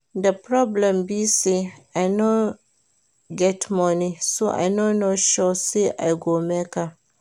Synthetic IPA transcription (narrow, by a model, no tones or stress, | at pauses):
dəpɹɔblɛ̃mbiseaɪnɔ | ɡɛtmɔnisoʔa̰ɪnõnɔʃɔseʔa̰ɪɡomɛka